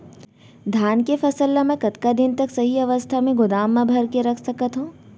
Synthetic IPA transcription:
d̪ʱaːnkefɐsəlːamɛ̃kɐt̪kad̪ɪnt̪ɐksɐɦiɐʋəst̪ʰamẽɡʊd̪aːmːãbʱɐɾkeɾɐkʰsɐkət̪ɦũː

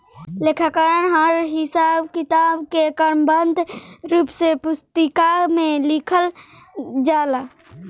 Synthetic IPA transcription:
lekʰakaːɾənɦaɾɦɪsaːbkɪt̪aːbkekəɾmbənd̪ʱɾuːpsepʊst̪əkamẽlɪkʰəl | d͡ʒaːla

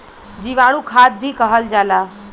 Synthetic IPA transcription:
d͡ʒiʋaɽ̃ũkʰad̪̚bʱikəɦəld͡ʒala

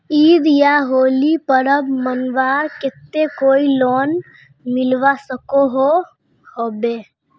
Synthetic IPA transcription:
iːd̪jaɦoːlipəɾəbmənʋaːɾket̪ːekoːilon | milʋasəkoɦo | hobe

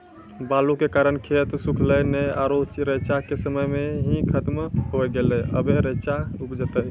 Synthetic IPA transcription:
balukekaɾənkʰet̪sukʰləjnəaɾot͡ʃɾət͡ʃakesəməjmeɦĩkʰət̪mɦojɡeləə̰beɾət͡ʃaupd͡ʒət̪əj

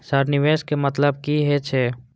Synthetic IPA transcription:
saɾnɪʋeːʃkemɐt̪ləb̚kiɦɛt͡ʃʰeː

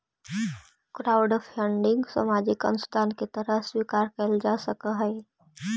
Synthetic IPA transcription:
kɾaːʊɖɔfʰəɳɖɪ̃ŋɡsə̰mad͡ʒɪkə̰nʊst̪ʰaːnket̪əɾəɦswiːkaːɾkəld͡ʒasəkəɦɛː

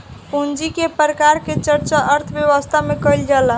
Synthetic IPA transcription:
pund͡ʒikepɾəkaɾket͡ʃəɾt͡ʃaʔəɾt̪ʰəbjeʋəst̪ʰamekəjld͡ʒalə

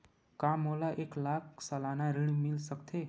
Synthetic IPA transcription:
kamolaʔeklakʰsəlanaɾiɽmilsəkt̪ʰe

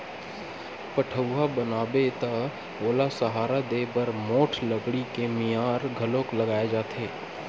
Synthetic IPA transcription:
pəʈʰəwɦabənaːbet̪a | oːlasəɦaːɾad̪eːbəɾmoːʈʰləɡɽikemijaːɾɡʱəlokləɡaːed͡ʒaːt̪ʰeː

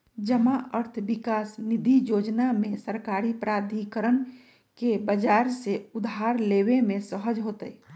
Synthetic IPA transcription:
d͡ʒəmaəɾt̪ʰbikasnid̪ʱijod͡ʒnamẽsəɾkaɾipɾad̪ʱikəɾən | kebəd͡ʒaɾseud̪ʱɦaɾlewemẽsəɦəd͡ʒɦot̪əi

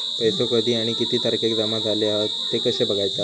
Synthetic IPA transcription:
pəɦsokəd̪ʱiːaɽ̃ikit̪iːt̪ʰəɾkʰekd̪əmad͡zʱaleaɦə | t̪ekəɕebəɡʱajt͡sa

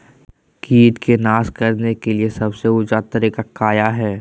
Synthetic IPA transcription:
kiːt̪kenaːskɐɾnekeliesɐbseʊd͡ʒat̪ɐɾekakaːjaɦɛː

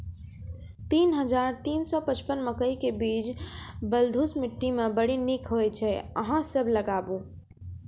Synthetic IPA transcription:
t̪inɦəd͡ʒaɾt̪insɔpət͡ʃpənməkəjkebid͡ʒbəld̪ʱusmiʈːimebəɽinikʰɦojt͡ʃʰɛəɦãsəbʱləɡabũ

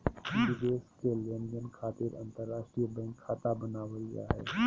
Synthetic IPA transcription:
dud̪eːskelend͡ʒənkʰaːt̪ɪɾɐ̰̃nt̪əɾːaːʃʈɾijəbɛ̃ːŋkʰːaːt̪abənaːʋəija̰ɦɛ̰ː

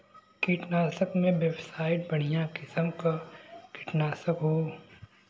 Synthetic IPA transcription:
kiʈnaːsəkmẽʋebsaːɪʈ̚bɐɽ̤̃ijãkɪsəmkakʰɪʈnaːsəkɦoː

